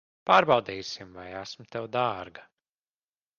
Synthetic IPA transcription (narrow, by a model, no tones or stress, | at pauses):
paːɾbɑwd̪iːjsimvajæsmʊt̪ɛwd̪aːɾɡḁ